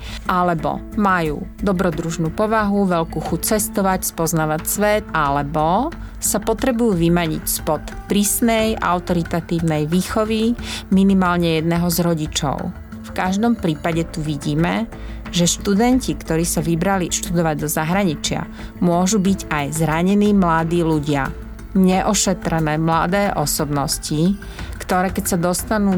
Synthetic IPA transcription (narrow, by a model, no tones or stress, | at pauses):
ʔalɛbɔ̰ | majṵːd̪ɔbɾɔd̪ɾuʒnuːpɔʋaɦuʋɛlkuːxut͡sɛst̪ɔʋacspɔznaːʋacsʋɛt̪alɛbɔ | sapɔt̪ɾɛbujuːʋimaɲḭcspɔt̪pɾiːsnɛjʔa̰ʊt̪ɔɾit̪at̪iːʊnɛjʋiːxɔʋiminimaːlɲɛjɛd̪nɛɦɔzɾɔɟit͡ʃɔ̰ʊ | fkaʒd̪ɔmpɾiːpaɟɛt̪uʋiɟiːmɛ | ʒɛʃt̪ud̪ɛncikt̪ɔɾiːsaʋibɾaliʃt̪ud̪ɔʋaɟd̪ɔzaɦɾaɲit͡ʃɪa̰ | mʊɔʒubiɟajzɾaɲɛniːmlad̪iːluɟɪa̰ | ɲɛʔɔʃɛt̪ɾɛnɛːmlad̪ɛːʔɔsɔbnɔsci | kt̪ɔɾɛːkɛcsad̪ɔst̪anuː